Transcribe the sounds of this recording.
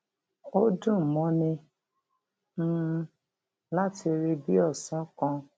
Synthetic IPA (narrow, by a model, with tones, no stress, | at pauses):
o˦dũ˦˨mɔ̃˨˦nĩ˧ | n̩˦˧˦ | la˦ti˧ɾe˧bi˦ɔ˦˨sɔ̃˨˦kã˧